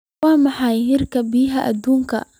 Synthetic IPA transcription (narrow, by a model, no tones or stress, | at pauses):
wɑːmɑħɑjɦɪrkʰɐbiːɦɐʔɐ̰d̪uːŋkʰɐ̰